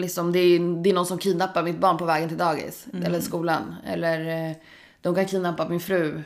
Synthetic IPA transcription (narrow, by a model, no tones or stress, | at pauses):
lɪksɔmd̪ɛd̪ɛːɾnɔnsɔmkʰiːnapːaɾmɪt̪̚bɑːɳpɔvɛːɡənt̪ɪld̪ɑːɡɪ̰sɛlːəʂkuːlanɛ̰lːəɾ | d̪̥ɔmkankʰiːnapːamɪnfɾʉ̟ː